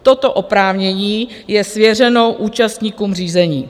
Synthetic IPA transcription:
t̪o̞t̪o̞ʔopɾaːvɲɛɲiː | jɛsvjɛrɛno̞wʔuːt͡ʃast̪ɲiːkuːmriːzɛɲiː

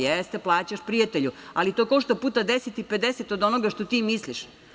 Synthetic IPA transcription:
jest̪eplˠaːt͡ɕaʃpɾijat̪eʎualit̪okoʃt̪opuːt̪ad̪eset̪ipe̞d̪eset̪o̞d̪o̞noɡaʃt̪o̞t̪iːmisliʃ

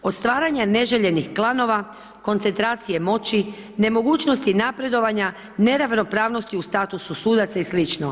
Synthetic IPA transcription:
o̞t̪st̪ʋaːɾaɲane̞ʒeʎe̞nixklˠano̞ʋa | ko̞nt̪e̞nt̪ɾaːt̪sije̞mo̞t͡ɕi | ne̞mo̞ɡuːt͡ʃno̞st̪inapɾe̞d̪o̞ʋaɲa | ne̞ɾaʋno̞pɾaːʋno̞st̪iust̪aːt̪ususuːd̪at̪saislit͡ʃno

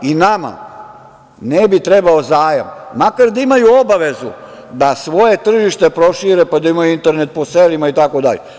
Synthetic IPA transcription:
inama̰ | nebit̪ɾebaozaːja̰mːakaɾd̪aimajuobaʋe̞zṵ | d̪asʋo̞je̞t̪r̩ʒiʃt̪e̞pɾo̞ʃiɾepad̪aimajuint̪e̞ɾnet̪̚poselimait̪ako̞d̪a̰ʎe

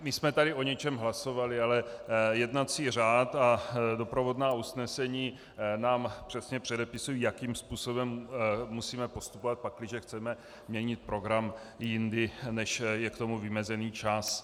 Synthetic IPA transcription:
mɪsmɛt̪adɪʔo̞ɲɛt͡ʃɛmɦlaso̞valɪalɛjɛdnat͡siːr̝aːt̪ado̞pɾo̞vo̞dnaːusnɛsɛɲiː | naːmpr̝̥ɛsɲɛpr̝̥ɛdɛpɪsujijakiːmspuːso̞bɛmːusiːmɛpo̞st̪upovat̪̚paklɪʒɛxt͡sɛmɛ | mɲɛɲɪt̪̚pɾo̞ɡɾam | jɪndɪnɛʃjɛkt̪omuvɪmɛzɛniːt͡ʃas

